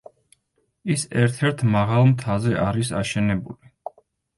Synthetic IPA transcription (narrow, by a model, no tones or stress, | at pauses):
isɛɾt̪ʰɛɾt̪ʰmaʁalˠmt̪ʰazɛʔaɾisa̰ʃɛnɛbuli